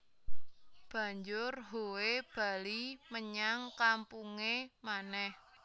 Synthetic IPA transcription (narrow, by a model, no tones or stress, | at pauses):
b̥ä̤ɲd͡ʒʊrɦoweb̥ä̤liməɲaŋkampuŋemanɛh